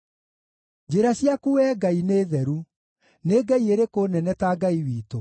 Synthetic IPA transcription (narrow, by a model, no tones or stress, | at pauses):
d͡ʑeɾaɕjakuwɛːɡaineːðɛɾu | neɡɛieɾekonɛnɛtaɡaiwiːto